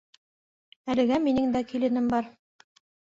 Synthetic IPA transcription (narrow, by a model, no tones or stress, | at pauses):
ælɘ̆ɡæminɘŋd̪ækilɘ̆nɘmbɑɾ